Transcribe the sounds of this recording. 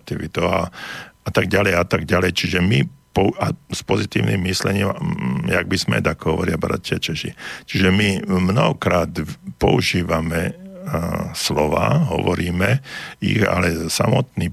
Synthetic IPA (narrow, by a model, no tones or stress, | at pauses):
t̪iʋit̪ɔʊa̰at̪aɡɟalɛjat̪aɡɟalɛjt͡ʃiʒɛmipɔaspɔzit̪iːʊnimːislɛɲiːmja̰ɡ̚bizmɛ̰d̪akɔɦɔʋɔɾɪabɾa̰c̪ɪat͡ʃɛʃḭt͡ʃiʒɛmimnɔɦɔkɾaːt̪pɔuʒiːʋamɛ | slɔʋa̰ːɦɔ̰ʋɔɾiːmɛḭɣa̰lɛsa̰mɔt̪niː